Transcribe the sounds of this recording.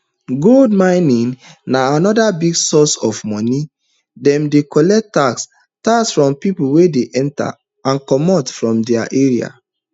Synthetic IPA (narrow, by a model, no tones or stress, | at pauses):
ɡoldmãɪ̃nĩnnaanɔdabiɡsɔsɔvmɔni | dɛ̃mdekɔlɛk̚taks | taksfɹɔ̃mpipulwedeʔɛ̃nta̰ | ãnkɔmɔtfɹɔ̃mdɛa̰ʔeɹia̰